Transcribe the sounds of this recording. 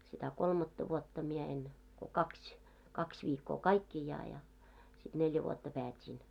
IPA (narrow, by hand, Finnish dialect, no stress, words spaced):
sitæ kolmɑtːɑ ʋuotːɑ mie en ko kɑksʲ kɑksʲ ʋiːkːoː kɑikːiˑjɑː jɑ sit neljæ ʋuotːɑ pæːtʲiːn